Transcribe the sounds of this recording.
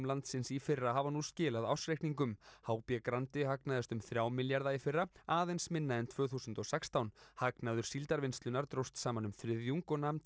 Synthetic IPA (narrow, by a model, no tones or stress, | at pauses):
mlant̪sɪnsifɪrːaɦavanuscɪːlaðawsɾejkniŋkʏmhaːwpjɛkɾant̪ɪhaknaðast̪ʏmθɾjaːwmɪljaɾðaifɪrːaaːðejnsmɪnːaɪnt̪ʰvœːθusʏnt̪ɔsɛkst̪awnhaknaðʏɾ̥silt̪aɾvɪnst̪lʏnaɾt̪ɾowst̪saːmanʏmθfɾɪðjuŋkɔnamnt̪